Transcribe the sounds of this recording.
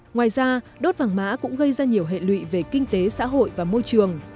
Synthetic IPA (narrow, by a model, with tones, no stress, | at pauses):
ŋwaː˨˩jzaː˧ɗo˦˥t̚vaː˨˩ŋma̰ː˧˥kʊ̰˧˥ŋ͡mɣə˧jzaː˧ɲi˨˩əwɦḛ˧˨lwḭ˧˨ve˨˩kï˧ŋ̟t̪e˨˦sa̰ː˧˥ɦo̰˧˨jvaː˨˩mo˧jt͡ɕɨ˨˩əŋ